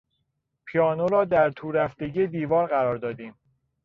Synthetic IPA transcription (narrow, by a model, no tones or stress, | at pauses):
pʰiɒːnoɾɒːd̪æɾt̪ʰuːɾæft̪e̞ɟiːed̪iːvɒːɾɢæɾɒːɾd̪ɒːd̪iːm